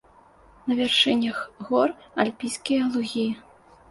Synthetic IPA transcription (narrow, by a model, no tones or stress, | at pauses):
nɐvʲɛrʂɨnʲɐxɣɔra̰lʲpʲijskʲijɐlˠuɣʲij